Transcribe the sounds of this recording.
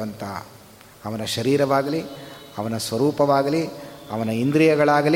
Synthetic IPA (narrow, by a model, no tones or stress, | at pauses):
ɐnt̪ʰɐ̰ | ɐʋɐnɐʃɐɾiːɾɐʋaːɡɐliɐʋɐnɐsʋɐɾuːpɐʋaːɡɐliɐʋɐnɐind̪ɾijɐɡɐɭaːɡɐl